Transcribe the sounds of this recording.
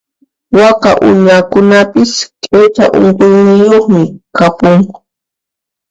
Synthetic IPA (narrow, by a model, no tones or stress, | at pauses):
waka̰ʔʊ̰ɲakʊnapɪskʼet͡ʃa̰ʔʊ̰ɴqʊjnɪjoχmɪkapʊŋ